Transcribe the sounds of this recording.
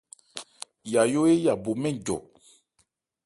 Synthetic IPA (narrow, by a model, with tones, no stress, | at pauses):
ja˨jo˦e˦ja˨bo˨mɛ̃˦ɟɔ̰˨